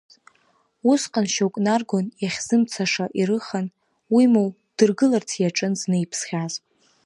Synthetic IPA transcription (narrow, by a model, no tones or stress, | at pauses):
usqʼanʃowkʼnarɡonjaχʲz̥ɨmt͡sʰaʂaʔiɾɨχan | wimow | d̥ɨrɡɨlart͡sʰjaʈ͡ʂʼɨnznɨipʰsχʲazʼ